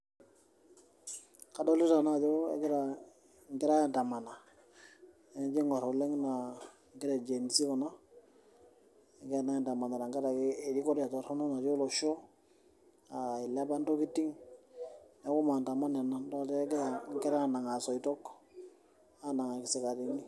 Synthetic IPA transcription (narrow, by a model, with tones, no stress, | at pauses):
ka˨dɔ˦li˦ta˨na˦˨d͡ʒo˦ḛ˨ɡɪ˦ɾa˨ | ŋɡɪ˦ɾa˦a˦˨nta˨ma˨na˨ | ɛ˨˦d͡ʒi˦ŋɔ˨ɾɔ˨lɛ˦ŋna˨ | ŋɡɪ˦ɾa˨d͡ʒe˨n˨si˦kɔ˨na˦˨ | ɡɛ˦a˨na˦˨nta˨ma˨na˨ɾa˨ŋɡa˦ɾa˨kːd͡ʒi˦kɔ˦ɾa˨tɔ˨ɾɔ˦nu˦na˨d͡ʒo˦lɔ˨ʃɔ˦ | a˨i˨la˦ba˦ndo˦ki˦tːi˦ŋ | nɛ˨˦ku˦ma˨nta˨ma˦na˨na˨ndɔ˦˨tɛ˦ɡŋ˦kɪ˦ɾa˦˨na˨ŋa˨sɔ˨i˨tɔ˦k | a˦na˨ŋa˨kɪ˨sɛ˨ka˨ɾi˨ŋi˦